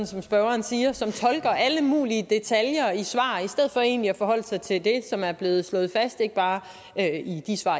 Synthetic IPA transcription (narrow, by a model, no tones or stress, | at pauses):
nsɒ̽msb̥ɶʊɐːnsiːɐsɒ̽mt͡sʰɒ̽lɡ̥ɐʔæləmṵːliəd̥e̝t͡sʰæljɐisʋɑ̰̈ːisd̥eð̞̰ˠfɒ̽e̝̰ːnliæfɒ̽ɦɒ̽l̰sɑ̈ɪt͡sʰe̝ld̥e̝sɒ̽mæɐb̥le̝ːð̩ˠslɔ̽ːð̩ˠfæsd̥e̝ɡ̥əb̥ɑ̈ː | øid̥isʋɑ̰̈ː